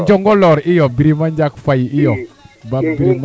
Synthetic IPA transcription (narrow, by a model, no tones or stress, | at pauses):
ɲd͡ʒɔŋɡɔlɔɾɪjɔbiɾimaɲd͡ʒakfajiɪjɔbabiɾim